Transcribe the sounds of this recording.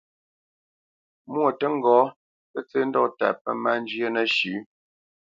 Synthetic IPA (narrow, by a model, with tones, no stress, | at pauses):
mwo˨tə˦ŋ̩˦˨ɡɔː˨˦ | pə˦t͡se˦n̩˦dɔ̰˦˨ta̰˨pə˦ma˦n˦d͡ʒɥjə˦nə˦ʃʉ˨˦